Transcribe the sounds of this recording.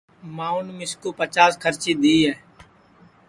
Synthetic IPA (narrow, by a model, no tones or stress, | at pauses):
mãːʊnmɪskoːpət͡ʃaːskʰəɾt͡ʃiːd̪iːɦɛː